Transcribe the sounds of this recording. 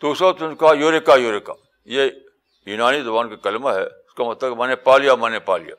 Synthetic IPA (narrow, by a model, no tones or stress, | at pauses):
d̪̥uːsɾot̪ʊnkajoɾekaːjoːɾeka̰ː | je | junaːnid̪ʊbaːnkekɐlmaɦɛ̰ʊskamɐt̪ləbmɐnepaːlijamɐnepaːlḭja̰ː